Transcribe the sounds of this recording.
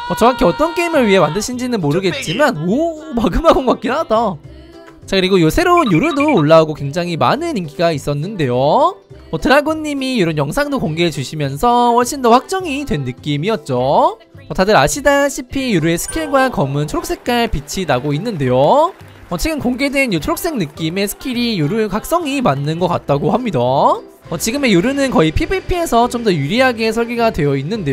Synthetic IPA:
ʌt͡ɕʌŋakʰeʌt͈ʌnk͈e̞imɯɭɥiɦe̞mandɯɕʰind͡ʑinɯnmoɾɯɡe̞t̚t͡ɕ͈imanomaɡɯmaɡonɡak͈inada | t͡ɕakɯɾiɡojosʰe̞ɾoɯnjoɾɯdoːɭːauɡokwe̞ŋd͡ʑaŋɦima̰nɯninɡiɡais͈ʌnːɯnde̞jo | ʌtɯɾaɡoɲːimijoɾʌnjʌŋsʰaŋdokoŋɡeɦet͡ɕuɕʰimjʌnsʰʌɸʌɭɕ͈indʌɸwak̚t͡ɕ͈ʌŋidwe̞nːɯk͈imiʌt̚t͡ɕ͈o | ʌtadɯɾaɕʰidaɕʰipʰijuɾue̞sʰɯ̥kʰiɭɡwakʌmɯntʰoɾok̚s͈e̞k̚k͈aɭpit͡ɕʰinaɡoinːɯnde̞jo | ʌt͡ɕʰeɡɯmkoŋɡe̞dwe̞njot͡ɕʰoɾok̚s͈e̞ŋnɯk͈ime̞sʰɯ̥kʰiɾijuɾuɭkak̚s͈ʌŋimanːɯnɡʌk͈a̰t̚t͈aɡohamɲida | ʌt͡ɕiɡɯme̞juɾunɯnkʌipʰibipʰie̞sʰʌt͡ɕomdʌjuɾiɦaɡe̞sʰʌɭɡiɡadwe̞jʌinːɯnde

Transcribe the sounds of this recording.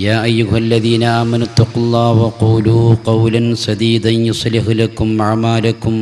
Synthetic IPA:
jaːʔajːʊɦʔalːɐðiːnaʔaːmɐnʊt̪ːɑqʊlˤːɑːhwɐquːluqɑwlansɐd̪iːd̪anjʊsˤlɪħlakʊmaʕmaːlakʊm

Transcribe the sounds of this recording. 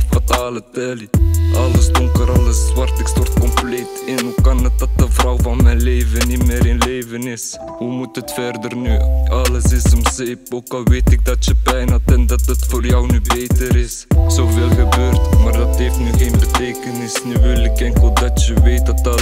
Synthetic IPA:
fataːlətɛliʔɑləsdɔŋkəɾɑləsʋɑrtɪkstɔrtkɔmplejtɪnukɑnət̚dɑt̚dəvrɔwvɑnmɛjnleːvənimɪːɾɪnleːvənɪs | humutətfɛrdərnyɑləsɪsɔmseːpoːkɑlˠʋejtɪk̚dɑtjəbɛjnatɛndɑtətfoːrjɔwnybejtəɾɪsz̥owveːlˠχəbøːrtmaːrdɑtɦejftnyɣeːnbətejkənɪsnyʋɪlɪkɛŋkəlˠdɑtjəʋeːt̚dɑt̚dɑ

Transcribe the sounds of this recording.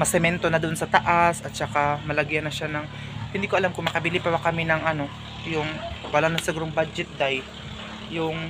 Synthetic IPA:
mɐsɛmɛnt̪o̞nɐd̪onsɐt̪ɐʔasɐt̪̚t͡ʃɐkamɐlɐɡjɐnɐʃanɐŋ | hɪnd̪iːkoɐlamkʊŋmɐkɐbilɪpɐbakɐminɐŋʔɐno̞ | jʊŋwɐlanɐŋsɐɡuɾoŋbad͡ʒɛt̪̚d̪ajː | ʊŋ

